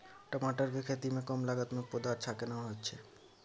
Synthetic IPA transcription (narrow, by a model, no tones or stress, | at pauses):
ʈamaʈaɾbʱekʰet̪imekɔmlaɡat̪mok̚pod̪aaɾt͡ɕʰakenaɦoːt͡ɕʰe